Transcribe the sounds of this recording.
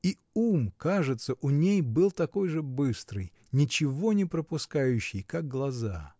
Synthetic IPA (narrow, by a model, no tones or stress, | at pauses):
i | umkaʐɨt̪səʔʊnʲejbɨlˠt̪ɐko̞jʐɨbɨst̪ɾɨj | nʲɪt͡ɕɪvo̞nʲɪpɾəpʊskajʉɕːɪjkak̚ɡlˠɐza